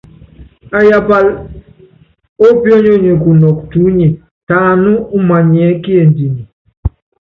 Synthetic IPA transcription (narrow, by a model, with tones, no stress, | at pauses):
a˨ja˨pa˨l | o˦pjɔ˦ɲo˦ɲe˨ku˨nɔ˨k̚tu˨˦ɲi˨ | ta˨nu˦u˦ma˨ɲ˨ɛ˨˦ki˦e˨ndi˨ni˨